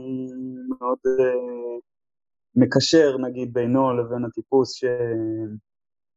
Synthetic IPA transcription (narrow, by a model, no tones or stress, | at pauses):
meo̞d̪ | mekaʃe̞ʁnaɡid̪̚bejno̞levenat̪ipusʃem